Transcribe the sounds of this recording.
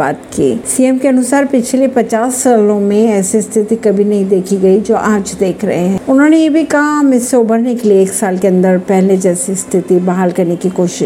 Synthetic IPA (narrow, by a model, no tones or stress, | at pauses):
aːt̪kḭːsiːɛmkeɐnʊsaːɾpɪt͡ʃʰlepɐt͡ʃaːsːaːlõmẽɛːsist̪ʰɪt̪ikɐbʱinɐɦĩd̪eːkʰiɡɐid͡ʒoːʔaːd͡ʒd̪eːkʰɾɐ̰ɦeɦɛ̃ːʊnɦõːnejebʱikɐɦaɦɐmɪsːeʊbəɾnekelieeːksaːlkeɐ̃nd̪əɾpɛɦled͡ʒɛːsist̪ʰɪt̪ibɐɦaːlkɐɾnekikoːʃɪ